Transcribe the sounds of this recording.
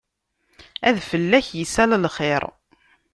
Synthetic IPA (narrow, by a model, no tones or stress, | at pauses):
æ̰ðfəlːæçjəsælælχɪɾˤ